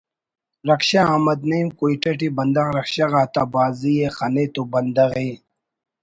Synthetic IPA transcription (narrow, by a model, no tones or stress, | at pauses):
ɾɐkɕaɐmɐd̪nɐimkuiʈɐʈibɐnd̪ɐɣɾɐkɕaɣaːt̪abaːzijexɐnet̪ubɐnd̪ɐɣeː